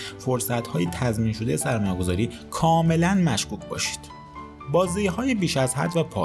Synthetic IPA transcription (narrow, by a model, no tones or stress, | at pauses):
fo̞ɾsæt̪hɒːjet̪ʰæzmiːnʃo̞d̪ejesæɾmɒːjeɡo̞zɒːɾiː | kʰɒːme̞lænmæʃkuːcʰbɒ̰ːʃi̥ːd̪̥ | bɒːziɦɒːjebiːʃæzhæ̰d̪væpʰɒ̰